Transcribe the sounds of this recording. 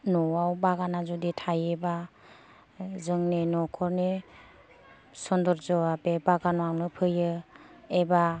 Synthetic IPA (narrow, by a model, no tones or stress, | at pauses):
nɔwawbaɡanazuditʰajeba | zɯŋnenɔkʰɔɾne | sɔndɔɾzɔabebaɡanɔawnɯpʰɯjɯeba